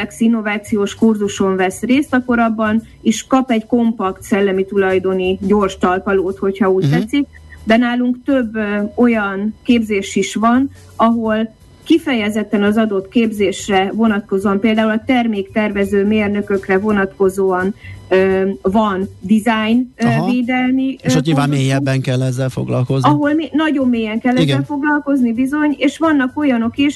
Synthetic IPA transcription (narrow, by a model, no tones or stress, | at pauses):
ɛksinːo̞vaːt̪sijoːʃkurzuʃo̞ɱvɛsreːst̪ɒkːo̞ɾɒbːɒn | iʃkɒpɛɟko̞mpɒkt̪sɛlːɛmit̪ulɒjd̪o̞niɟo̞ːrʃt̪ɒlpɒloːt̪ho̞chɒuːɟ̚t̪ɛt̪sik̚ | d̪ɛnaːluŋkt̪øbːo̞jɒnkeːbzeːʃiʃʋɒn | ɒɦo̞l | kifɛjɛzɛt̪ːɛnɒzɒd̪o̞t̪keːbzeːʃrɛvo̞nɒt̪̚ko̞zoːɒmpeːld̪aːulɒt̪ɛrmeːkt̪ɛrvɛzøːmeːrnø̞kø̞krɛvo̞nɒt̪ko̞zoːɒnøvɒnd̪izajnveːd̪ɛlmiɲivaːeːjɛbːɛŋkɛlːɛzːɛlfo̰ɡlɒlkoznɒɦo̞lminɒɟo̞mːeːjɛŋkɛlːɛzɡːɛlfo̞ɡlɒlko̞znibizo̞ɲeːʃʋɒnːɒko̞jɒno̞kiʃ